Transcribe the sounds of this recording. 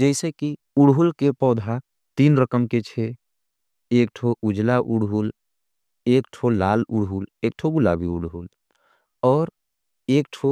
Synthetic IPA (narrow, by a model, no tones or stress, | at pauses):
d͡ʒɛɪseki | uɽɦulkepɔːd̪ʱa | t̪iːnɾəkəmket͡ʃʰe | ekʈʰoʔud͡ʒlaʔuɽɦul | ekʈʰolalṵɽɦulek̚ʈʰoɡula̰bʱiuɽɦul | ɔːɾ | ek̚ʈʰo